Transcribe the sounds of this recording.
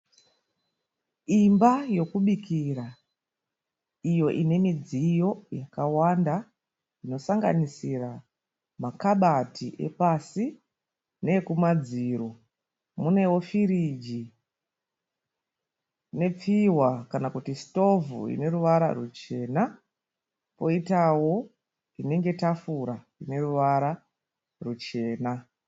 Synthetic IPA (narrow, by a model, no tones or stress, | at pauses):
imbajo̞kuɓikira | ijo̞ʔine̞mid͡zijo̞jakawanda | ino̞saŋɡa̰nisira | makaɓatʰiʔe̞̰pasi | ne̞kumad͡ziːɾo | mune̞wo̞fiɾid͡ʒi | ne̞p͡fiwakanakutisto̞vṵḭne̞ɾuʋaɾa̰rut͡ʃe̞ːna | po̞itawo̞ | ine̞ŋɡe̞tafuɾa | ine̞ruʋaɾa | rut͡ʃe̞ːna